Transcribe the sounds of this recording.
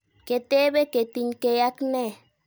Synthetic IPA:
ke˨t̪e˦βe˦ke˨t̪i˨ɲke˧ja˦kne˦

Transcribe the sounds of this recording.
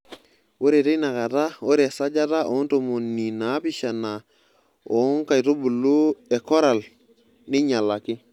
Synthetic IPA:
wo˦ɾe˨ti˦jna˨ka˨ta˦wo˦ɾe˨sa˦d͡ʒa˦ta˦ʔo˨˦nto˨mo˨nːi˨na˨˦pi˦ʃa˨na˨ | o˨˦ŋka˨jto˦bu˨lu˦e˨ko˦ɾa˨l | ni˦ɲa˨la˨ki˦

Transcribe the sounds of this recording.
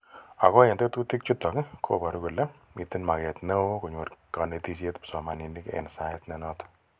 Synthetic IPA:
a˨kɔ˦e˨nte˦tu˦ti˦k̚t͡ʃu˦tːɔ˨kɪ˦kʰo˦ba˨ɾu˦ku˨lɛ˦ | mi˨ti˦nma˨kɛ˨tne˦o˦ku˨ɲo˨ɾka˨ne˨ti˦s̬je˦tpi̥˨sɔ˨ma˨ni˨nɪ˦kḛ˨nsa˨ɪtnɛ˨nɔ˦t

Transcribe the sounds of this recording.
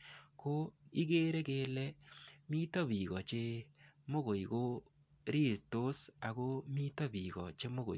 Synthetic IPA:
ko˦i˦ɡe˦ɾe˦ke˨lɛ˦mi˦to˦bi˨ɣɔ˨t͡ʃe˦mo˦ɣo˨iko˦ | ɾi˦˨ɾto˦sa˨ko˦mi˦tɔ˦bi˨ɣɔ̰˨t͡ʃe˦mo˦ɣo̰˨

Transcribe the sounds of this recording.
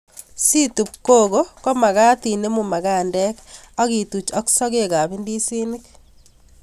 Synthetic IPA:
si˦tu˨p̚ko˦ɣo˦ko˦ma˨ɣaː˦ti˨ne˦mu˨ma˨ɣa˦ndɛ˦ka˦ɣi˨tu˨t͡ʃo˦kso˦ke˦ka˨βi˦ndi˦si˦ni˦k̚

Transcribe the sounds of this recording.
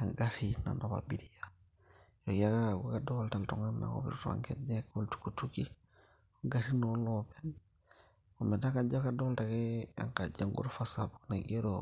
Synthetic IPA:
a˨ŋɡa˦ɾina̰˨ma˨ba̰˨bi˨ɾi˦a˦ | jo˨ka˦ka˦kaɡu˦kadɔ˦lta˨ltɔ˨ŋa˦ma̰ko̰˦βḭ˨ɾta̰˨ŋkɛ̰d͡ʒɛ˦ko˦ltu̥˨kutuki˦ | o˦ŋɡa˨ɾi˦no˨˦lɔpɛ˦n | ɔ˨mɛ˨da˦ka˨d͡ʒa˦ka˦dɔ˦lta˨ke˦a̰˨ŋka˨d͡ʒa˦ŋɡṵ˦ɾfa˦sabunaɡe˦ɾo

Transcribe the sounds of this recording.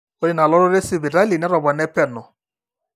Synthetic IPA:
o˦ɾɪ˨na˨lɔ˦ɾɔ˦ɾe˦si˨βɪ˨ɾa˦li˨nɛ˦ɾɔ˨bɔ˨nɛ˦pɛ˨nɔ˨

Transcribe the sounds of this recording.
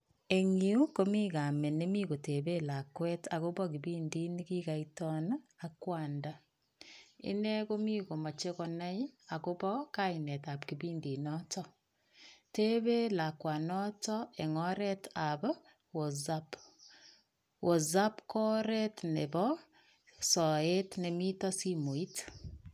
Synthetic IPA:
e˨ɲi˦u˦ko˦mi˦ka˨me˨ne˦mi˦ko˨te˨be˦la˨kwɛ˦ta˨ko˦bɔ˦ki˨bi˦ndi˦nki˦ka˨itɔ˦nakwaː˨nda | ḭ˦nɛ˦ko˦mi˦ko˨ma˨t͡ʃe˦kɔna˦ja˨ko˦bɔ˦ka˦inɛ˨ta˨pki˨bi˦ndi˨nɔ˦tɔ | te˦βe˦la˨kwa˨nɔ˦tɔe˨ŋɔ˦ɾɛtap | wo˨zap | wʔo˨zapkɔ˦ɾɛtnebɔ | sɔ˨etne˨mi˦tɔ˦si˦mo˨i˦t

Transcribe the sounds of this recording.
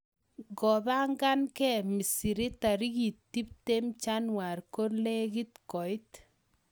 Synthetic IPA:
ɡɔ˨ða˦ŋɡa˦nkɛ˦mi˨si˨ɾi˦ta˨ɾi˦ɣi˨ttːi˦p̚te˦mt͡ʃa˦nwa˨ɾko˦ɾle˦ɡi˦tkɔ˨ɪ˦t

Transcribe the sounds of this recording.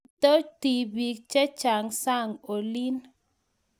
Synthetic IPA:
to˦ti˨bi˨kt͡ʃɛ˦t͡ʃa˨ŋsa˦˨ŋo˨li˦n

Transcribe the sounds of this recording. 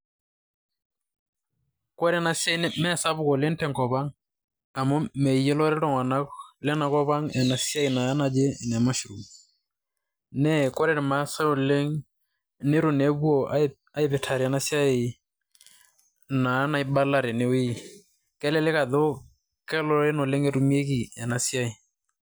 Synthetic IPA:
kɔ˦ɾɛ˦na˦sja˦i˨n˦mɛ˦sa˦bʊ˦kɔ˨lɛ˦n˦tɛ˨ŋkɔ˨ba˦ŋ | a˨mɔ˦mɛ˨jɛ˦lɔ˦ɾɛ˦ɾɔ˦ŋwa˨na˦klɛ˦na˨kɔ˦βa˦ŋɛ˨na˨sja˦i˨na˨˦na˨d͡ʒe˦˨nɛ˨ma˦ʃɾu˨ | nɛ˦kɔ˦ɾɛ˦˨ɾma˦sa˦o˨le˦ŋ | ne˦ɾʊ˨ne˨˦bwɔ˦˨a˦ | a˦ɪ˦pɪ˨tʰa˨ɾi˨ɛ˨na˦si˦a˦e˨ | na˨˦na˨ɪ˦ba˦la˦˨ɾɛ˨ne˦i˦ | kɛ˦lɛ˦lɪ˦ka˨ðo˦ | kɛ˦lɔ˦ɾɛ˦nɔ˨le˦ŋɛ˦tu˨mi˦e˦ki˨ɛ˨na˨si˦a˦i˨

